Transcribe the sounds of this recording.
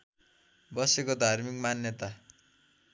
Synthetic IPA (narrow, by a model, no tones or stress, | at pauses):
bʌsekod̪ʱarmik̚manjʌt̪a